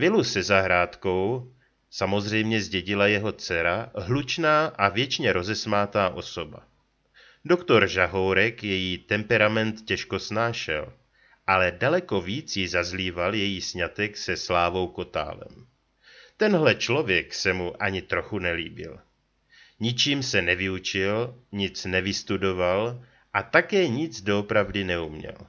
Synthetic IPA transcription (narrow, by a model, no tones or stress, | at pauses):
vɪlusɛzaɦɾaːt̪ko̞w | samo̞zr̝ɛjmɲɛzɟɛɟɪlajɛɦo̞t͡sɛɾaɦlut͡ʃnaːʔavjɛt͡ʃɲɛɾo̞zɛsmaːt̪aːʔo̞̰so̞ba̰ | do̞kt̪o̞ɾʒaɦo̞wɾɛkjɛjiːt̪ɛmpɛɾamɛnt̪cɛʃko̞snaːʃɛ̰l | ʔalɛdalɛko̞viːt͡sjɪzazliːvaljɛjiːsɲat̪ɛksɛslaːvo̞wko̞t̪a̰ːlɛ̰m | t̪ɛnɦlɛt͡ʃlo̞vjɛksɛmuʔaɲɪt̪ɾo̞xunɛlḭːbɪ̰l | ɲɪt͡ʃiːmsɛnɛvɪut͡ʃɪlɲɪt͡snɛvɪst̪udo̞val | ʔat̪akɛːɲɪt͡sdo̞opɾavdɪnɛumɲɛ̰l